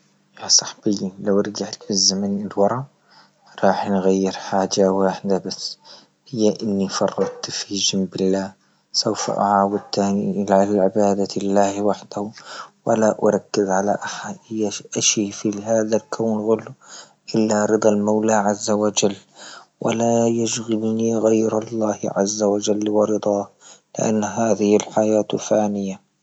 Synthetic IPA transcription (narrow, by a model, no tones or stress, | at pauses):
jaːsˤɑħb̥ɪjːalawɪɾɡaʕt̪fizːamanɪlwɑɾˤɑ | ɾˤɑːħnɣajːɪɾħaːd͡ʒawaːħd̪abasː | hɪjːaʔɪnːifɑrˤːɑt̪fid͡ʒɪmbɪlːaː | sawfa̰ʔa̰ʕaːwad̪̚t̪aːniʔlaalʕɪbaːd̪alːaːhwaħd̪ahwalaʔʊ̰ɾˤɑkːɪzʕala̰ʔaħaʔɪjaʔaʃifiɦaːðalkʰawnɣʊl | ʔɪlːaɾɨd̪ˤɑlmawlaʕazːawad͡ʒalːwʔɪ̰lajaʃɣɪlniɣajɾɑlˤːaːhʕazːawad͡ʒalːwɪɾɨd̪ˤɑːhlɪ̰ʔa̰nːɦaːðɪhɪlħajaːt̪faːnɪja